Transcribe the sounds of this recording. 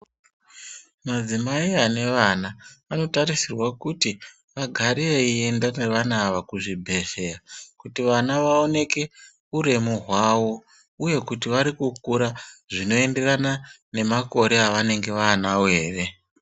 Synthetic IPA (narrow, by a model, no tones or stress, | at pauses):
mad͡zimaiane̞ʋanaano̞taɾisirwakuti | ʋaɡʱaɾieie̞ndaneʋanaːʋakuʐibʱe̞ʃe̞rakutiʋanaʋao̞ne̞ke̞ | uɾe̞muɦwaːwo̞ | uje̞kutiʋaɾikuk̚uɾaʐino̞e̞nde̞rana | ne̞mako̞ɾe̞aʋane̞ŋɡe̞ʋaːnawe̞ːre̞